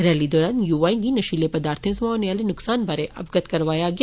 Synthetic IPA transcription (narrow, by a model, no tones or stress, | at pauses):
ɾɛːlid̪ɔːɾaːnjuːʋaːiɡinɐʃiːlepɐd̪aːɾt̪ʰẽsmãːonjaːlenʊksaːnbʱaːɾeʔɐbɡət̪kɐɾʋaːjaɡ